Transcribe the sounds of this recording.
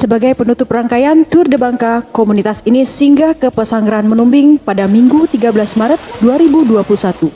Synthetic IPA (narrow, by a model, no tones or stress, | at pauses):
səbaɡajpənut̪ʊpraŋkajant̪ʊrdəbaŋkakomunit̪asinisəiŋɡakəpəsaŋɡɾaɦanmənumbɪŋpadamiŋɡut̪iɡabəlasmaɾət̪̚duaɾibuduapulusat̪u